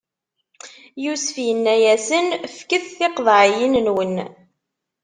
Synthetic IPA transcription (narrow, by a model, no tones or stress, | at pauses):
jusəfjənːæjæsənfkəθθɪqðˤʕjinnwən